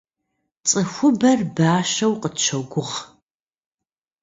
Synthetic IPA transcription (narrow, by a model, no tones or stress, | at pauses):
t͡sʼɨxʷʊbɐrbaːʃɐwqʼətt͡ʃʰɐɡʷʊʁ